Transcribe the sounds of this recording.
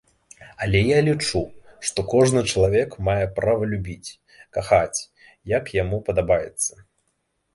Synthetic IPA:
ɐlʲɛjalʲit͡ʂuʂt̪ɔkɔʐnɨt͡ʂɐlˠavʲɛkmajɛpɾavɐlʲubʲit͡sʲ | kaxat͡sʲ | jɐkjamupɐd̪abajɛt̪sːɐ̥

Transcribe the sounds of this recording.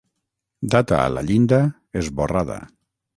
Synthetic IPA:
d̪at̪a̰ːla̰ʎind̪a | ezβoraða̰

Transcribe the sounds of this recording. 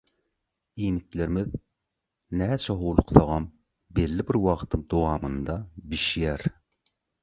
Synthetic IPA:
iːmikleɾimið | næːt͡ʃʰɛɦoːlˠuqθɑʁɑm | belːibiɾwɑʁt̪ʰɯŋd̪owɑːmɯnd̪ɑbiʃjæɾ

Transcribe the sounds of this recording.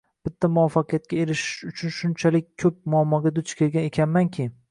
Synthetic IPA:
b̥ɪt̪ʰːamʊwafaqʰɨjat̪̚kʲaeɾɪʃɪ̥ʃʊt͡ʃʰʊnʃʊnt͡ʃʰalɪk̚ʲʰːɵp̚mʊamːɒɡʲad̪ʊt͡ʃkʲʰeɾɡʲane̞kʲʰanmankʲʰɪ

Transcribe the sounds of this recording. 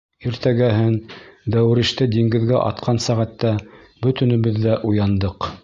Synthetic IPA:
iɾt̪æɡæɦɘnd̪æwɘ̆ɾɘ̆ʃt̪ɘd̪iŋɡɘ̆ðɡæʔɑ̰t̪qʰɑnsæʁæt̪ːæ | bɵ̆t̪ɵ̆nɘ̆βɘðːæʔujɑnd̪ɤq

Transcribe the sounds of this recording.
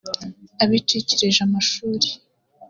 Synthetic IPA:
aβiteceɾeʒamaʃuːɾe̥

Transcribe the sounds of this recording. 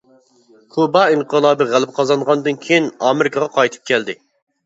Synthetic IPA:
kʰubɑiɴqəlˠɑːbɨʁælɪp̚qʰɑzɑnʁɑnd̪ɨnkʲʰejinɑːmɪɾɪkʰɑʁɑqʰɑjt̪ʰɨ̥p̚kʲʰɛld̪ɪ

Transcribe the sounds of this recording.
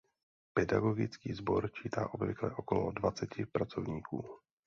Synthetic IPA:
pɛda̰ɡo̞ɡɪt͡skiːzbo̞ɾt͡ʃiːt̪aːʔobvɪklɛ̰ʔokolodvat͡sɛcɪpɾat͡so̞vɲiːkuː

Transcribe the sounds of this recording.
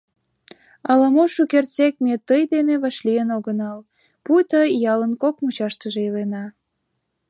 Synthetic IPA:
ɑlɑmoʃukert͡sek̚met̪əjd̪eneβɑʃlijənoɣənɑl | put̪əjɑlənkokmut͡ɕɑʃt̪əʒeilenɑ

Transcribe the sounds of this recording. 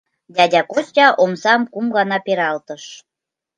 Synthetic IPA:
d̪ʲɑdʲɑkostʲɑʔomsɑmkumɡɑnɑpeɾɑlt̪əʃ

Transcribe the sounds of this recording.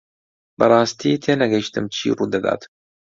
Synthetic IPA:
bɐɾˤɑːst̪ʰiːt̪ʰeːnɐɡɐʃt̪ɨmt͡ʃʰḭːrud̪ɐd̪a̰ːt̪m

